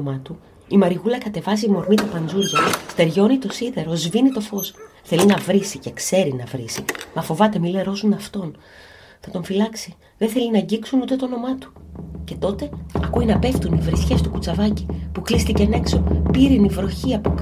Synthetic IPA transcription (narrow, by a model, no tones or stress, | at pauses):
mɐt̪u | imɐɾiɣulɐkɐt̪e̞vɐziːmo̞ɾmit̪ɐpɐnd͡zuɾʝɐst̪e̞ɾʝo̞nit̪o̞siðe̞ɾo̞zvinit̪o̞fo̞sθe̞linɐvɾisice̞kse̞ɾinɐvɾisimɐfo̞vɐt̪e̞mile̞ɾo̞sunɐft̪o̞n | θɐt̪o̞ɱfilɐksi | ðeθe̞linɐɟiksunut̪e̞t̪o̞no̞mɐt̪u̥ce̞t̪o̞t̪e̞ɐkuinɐpe̞ft̪univɾisçe̞st̪ukut͡sɐvɐci̥puklist̪icene̞kso̞piɾinivɾo̞çiɐpok